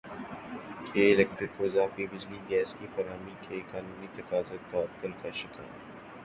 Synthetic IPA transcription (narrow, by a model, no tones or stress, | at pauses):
kʰeɪlɛk̚ʈɾɪkoɪzaːfibɪd͡ʒliɡɛːskifɐɾɦəmikʰekaːnuːnit̪ɐkaːzət̪ːɐɐt̪ːʊlkaʃɪka̰ːɾ